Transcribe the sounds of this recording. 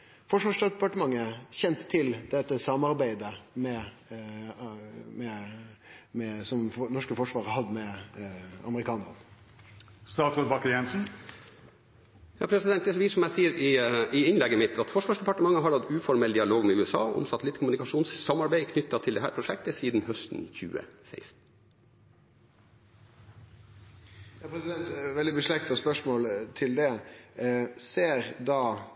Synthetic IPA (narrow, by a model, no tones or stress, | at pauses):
fɔʂʋɑʂpɑʈəmɑŋːəçɛnt̪ʰːɪld̪ɛt̪ːəsɑmːɑɾbæɪd̪əmɛ | mɛ | mɛsɔmnɔʂkəfɔʂʋɑːɾəhɑd̪ːəmɛ | ɑ̰məɾɪkʰɑːnəɾə̰n | st̪ɑːsɔt̪bɑkːəjɛnsn̩ | jɑːpʰɾɛsɪd̪ɛnt̪d̪ɛʋiːsɔmæɪsiːəɾɪɪɪnlɛɡːəmɪt̪ʰːɑt̪fɔʂʋɑːʂd̪ɛpɑʈəmɑŋːəɦɑɾɑd̪ʉːfɔɾmɛld̪ɪɑloːɡmɛʉːɛsɑ̰ːʔɔ̰msɑt̪lɪt̪kʰʊmʉnɪkɑʂuːnssːɑmɑɾbæɪkʰnʏt̪ːɑt̪ʰɪld̪ɛɦæːɾpɾʊʂɛk̚t̪əsiːd̪n̩hœst̪n̩çʉ̰ːə̰sḛɪst̪n̩ | jɑːpʰɾɛsɪd̪ɛnt̪ʋɛld̪ɪbəʂlɛkt̪ɑspœʂmoːlt̪ʰɪld̪ɛ | seːɾd̪ɑː